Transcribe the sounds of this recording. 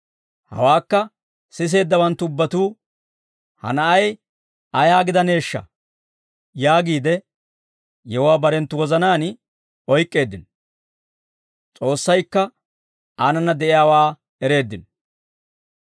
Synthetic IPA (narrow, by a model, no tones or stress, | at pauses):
hɐ̰waːkːɐ | sɪs̬e̞ːd̪ːɐwɐnt̪ːʊʊbːɐt̪uː | hɐ̰nɐʔɐj | ɐjaːɡɪd̪ɐne̞ːʃːɐ̰ | jaːɡiːd̪ɛ | jɛhʊwaːbɐɾɛnt̪ːʊwɔzɐnaːn | ɔjkʼːe̞ːd̪ːɪn | t͡sʼo̞ːsːɐjkːɐ | aːnɐnːɐd̪ɛʔɪjaːwaː | ɛɾe̞ːd̪ːɪn